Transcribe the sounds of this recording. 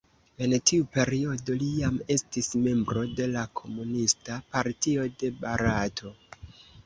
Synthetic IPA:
e̞ntʰiupe̞ɾio̞do̞lijame̞stisme̞mbɾo̞de̞lakʰo̞munistapaɾtio̞de̞baɾatʰo̞

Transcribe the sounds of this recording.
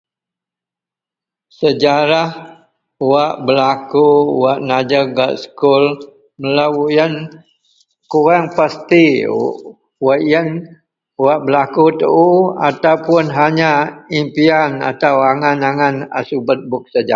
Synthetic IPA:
səd͡ʒaɾah | uwaʔbəlakuwaʔnad͡ʒəɡaʔsə̥kul | məlawujən | kuɾaŋpast̪i | waʔjən | waʔbəlakut̪ə̰ʔua̰t̪awpʊnɦaɲaimpiana̰t̪awaŋanaŋana̰subət̪̚bʊk̚səd͡ʒa

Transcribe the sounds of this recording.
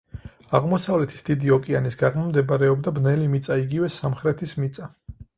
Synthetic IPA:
aʁmɔsavlɛt̪ʰi̥sd̪̥id̪iɔkʼianisɡaʁmmd̪ɛbaɾɛɔbd̪abnɛlimit̪sʼaiɡivɛsamχɾɛt̪ʰismit̪sʼa

